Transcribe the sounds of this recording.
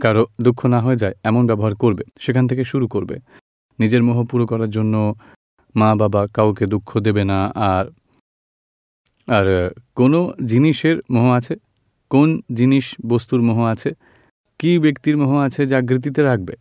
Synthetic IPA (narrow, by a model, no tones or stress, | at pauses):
kaɾod̪ukʰːonaɦoed͡ʑaeɛmonbɛboɦaɾkoɾbeʃekʰanet̪ʰekeʃuɾukoɾbḛ | nid͡ʑeɾmɔɦopuɾokɔɾaɾd͡ʑonːo | mababakawked̪ukʰːod̪ebenaaɾ | aɾkonod͡ʑiniʃeɾmoɦoat͡ɕʰe | kond͡ʑiniʃbost̪uɾmoɦoat͡ɕʰe | kibekt̪iɾmoɦoat͡ɕʰed͡ʑaɡɾit̪̬it̪eɾak̚be